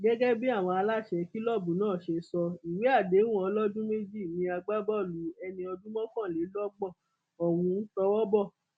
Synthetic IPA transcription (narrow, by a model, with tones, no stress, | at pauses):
ɡɛ˦ɡɛ˦bi˦a˦˨w̃ɔ̃˧a˧la˦˨ʃɛ˧ki˦lɔ˦˨bũ˨˦nãː˦˨ʃe˧sɔ˧i˨we˨˦a˦˨de˨˦w̃ɔ˧˦lɔ˦d͡ʒũ˦me˦d͡ʒi˦˨mĩ˧a˧ɡ͡ba˦bɔ˦˨lu˨˦ɛ˧nĩ˧ɔ˧d͡ʒũ˦mɔ̃˦kã˦˨le˨˦lɔ˦ɡ͡bɔ˦˨ | ɔ˨wũ˧n̩˦tɔ˧wɔ˦bɔ˦˨